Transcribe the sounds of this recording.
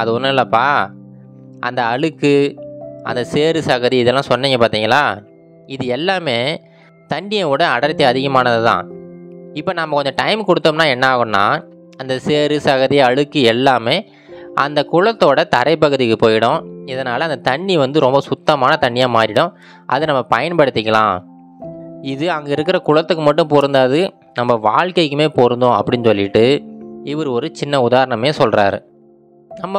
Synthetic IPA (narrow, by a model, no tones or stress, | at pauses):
ɐðɯɔnːɐlːɐpːaː | ʔɐ̰nd̪ɐɐɭɯkːɯ | ɐ̰nd̪ɐseːɾɯsɐɣɐðiɪðɛlːãːsɔnːeːŋɡɐpaːɾt̪iːŋɡɐlaː | ɪðɯɛlːaːmeː | t̪ɐɳːɪjɐ̃ɔɽɐɐɽɐɾt̪ːɐɐðɪɣɐmaːnɐðɯt̪ã̰ː | ɪpːoːnɐmːɐkɔɲd͡ʒɐʈɐɪmkɔɽɯt̪ːomnaːɛnːɐaːɣɯ̃mnã̰ː | ɐnd̪ɐseːɾɯsɐɣɐðiɐɻɯkːɯɛlːaːmeː | ɐ̰nd̪ɐkʊɻɐt̪ːoːɽɐt̪ɐ̰ɾɐɪpːɐɣɯðɪkːɯpoːjɪɽʊ̃ɪðɐnaːlɐːnd̪ɐt̪ɐɳːiʋɐnd̪ɯɾɔmbɐsʊt̪ːɐmaːnɐt̪ɐɳːɪjaːmaːɾɪɽʊ̃ | ʔɐ̰ðɯnɐmːɐpɐjɐnpɐɽɯt̪ːɪkːɐɭã̰ː | ɪðɯɐŋɡɐɪɾɯk̬ːɪɾɐkʊɻɐt̪ːɯkːɯmɐʈːɯ̃mpoːɾɯnd̪aːðɯ | nɐmːɐʋaːɻkɐɪkːɯmeːpoːɾɯnd̪õɐ̰pːɐɽɪnːɯsɔlːɪʈːɯɪʋɐɾɯɔɾɯt͡ʃɪnːɐʊðaːɾɐɳɐmeːsɔlra̰ːɾɯ̰ | nɐmːɐ